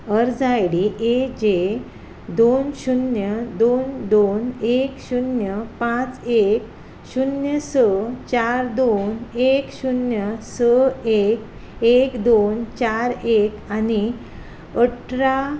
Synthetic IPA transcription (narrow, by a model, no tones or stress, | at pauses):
əɾd͡zajɽiʔed͡ʑe | d̪onɕunjəd̪ond̪onekɕunjəpãt͡sek | ɕunjəsət͡ɕaɾd̪onekɕunjəsəek | ekd̪ont͡ɕaɾekani | əʈʰɾa